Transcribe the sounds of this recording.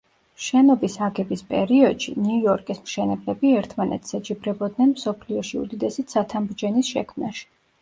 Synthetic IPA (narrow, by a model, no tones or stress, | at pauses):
ʃɛnɔbisaɡɛbispʼɛɾiɔd̪ʃḭnuuɔɾkʼismʃɛnɛblɛbiɛɾt̪ʰmanɛ̰t̪sɛd͡ʒibɾɛbɔd̪nɛnmsɔpʰliɔʃiṵd̪id̪ɛsit̪sat̪ʰambɾd͡ʒɛnisʃɛ̰kʰmnaʃi̥